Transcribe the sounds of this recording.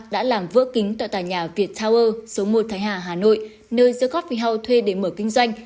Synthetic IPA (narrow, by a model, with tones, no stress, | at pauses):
ɗa̰ː˧˥laː˨˩mvɨ̰˧˥əki˨˦ŋ̟t̪a̰ː˧˨jt̪aː˧˩jɲaː˨˩vi˨˩ət̚t̪ʰaː˧wʔəː˧so˨˦mo˨˩t̚t̪ʰaː˨˦jhaː˧˩ɦaː˨˩no̰˧˨j | nəː˧jzɨ̰ː˧˥ɣɔ˦˥t̚fi˧˩ɦa˧wt̪ʰwe˧ɗe˧˩məː˧˩kï˧ŋ̟zwa˧jŋ̟